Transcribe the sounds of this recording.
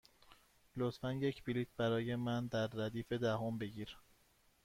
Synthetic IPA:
lot̪fænje̞cʰbiliːt̪̚ʰbæɾɒːje̞mænd̪æɾːæd̪iːfe̞d̪æɦombe̞ɟiːɾ

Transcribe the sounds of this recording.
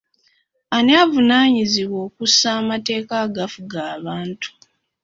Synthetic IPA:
anaːvunaːɲiziβwo̞ːkusaːmate̞ːkaɡafuɡaːβaːntu̥

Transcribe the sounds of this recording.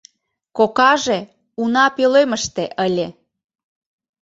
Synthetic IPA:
kokɑʒe | unɑpeløməʃt̪eʔəlʲe

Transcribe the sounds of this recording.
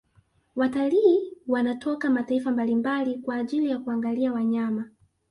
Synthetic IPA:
wataliːwanatʰɔkamataifambalimbalikwaːʄilijakuaŋɡaliawaɲama

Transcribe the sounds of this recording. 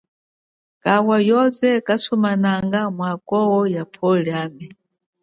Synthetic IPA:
kawajɔzɛkasɔmanaŋɡamwakɔwɔjapʰɔlɛaːmɛ

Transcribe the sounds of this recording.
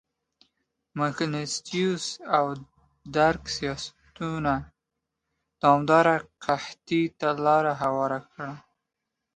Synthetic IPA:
maknɪst̪ijusaw | d̪aɾksijɑsḁt̪una | d̪̥ɑmd̪ɑɾaqʰaht̪it̪alɑɾaɦawɑɾakɽa

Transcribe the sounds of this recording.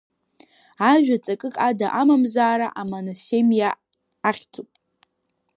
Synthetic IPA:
aʒᶣat͡sʼakʼɨkʼadaʔamamzaːɾaʔamanasemjaː | χʲt͡sʰʼupʼ

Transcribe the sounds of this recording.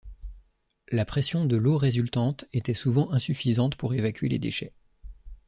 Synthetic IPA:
lapχesjɔ̃d̪əloʁezylt̪ɑ̃t̪et̪ɛsuvɑ̃ʔɛ̃syfizɑ̃t̪puʁevakʲɥelḛd̪ḛʃɛ

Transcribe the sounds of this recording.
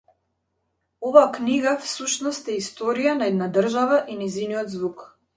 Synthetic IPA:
ɔvaːkniɡafsuʃnɔst̪ɛist̪ɔɾijanaɛd̪nad̪r̩ʒavaʔinɛziniɔd̪zvuk

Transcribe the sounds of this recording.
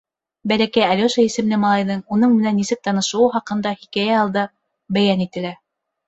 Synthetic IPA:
bælækæjælʲoʃæisɘ̆mlɘmɑlˠɑjðɤɴunɤɴmɘ̆nænːisɘk̚t̪ɑnɤ̆ʃɤ̆wɤχɑqɤ̆nd̪ɑhikæjæɑlˠd̪ɑ | bæjænit̪ɘ̆læ

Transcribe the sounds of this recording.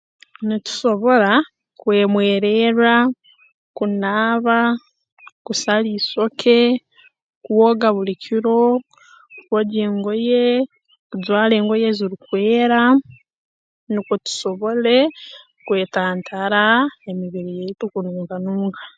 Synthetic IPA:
nitu̥so̞βo̞ɾa | kwe̞ːmwe̞ːɾeɾa | kunaːβa | kusaliːso̞kʰe̞ | kuwoːɡaβulicʰiɾo̞ | kwoɟeːŋɡo̞je | kuzwaːle̞ːŋɡo̞je̞ziɾukweːɾa | nikotu̥so̞βo̞le̞ | kwe̞ːtaːntʰaɾaemiβiɾijeitukunuːŋkanuːŋkḁ

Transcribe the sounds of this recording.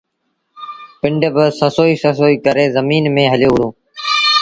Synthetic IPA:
pɪɳɖəbəsəsoːiːsəsoːiːkəɾeːzəmiːnmẽːɦəljoːɽõː

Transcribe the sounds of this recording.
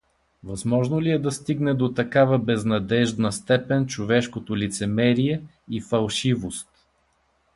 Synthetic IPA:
vɐzmɔʒnoliɛd̪ɐst̪iɡnɛd̪ot̪ɐkavəbɛznɐd̪ɛʒd̪nɐst̪ɛpɛnt͡ʃovɛʃkot̪olʲit̪sɛmɛɾiɛ | ifɐlˠʃivost̪

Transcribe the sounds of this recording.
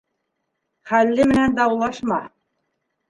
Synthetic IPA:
χælːɘmɘ̆nænd̪ɑwlˠɑʃmɑ

